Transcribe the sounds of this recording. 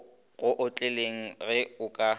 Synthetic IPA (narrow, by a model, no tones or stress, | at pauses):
ɣʊʔʊt͡ɬʼeleŋ̩ɣɛʊkʼa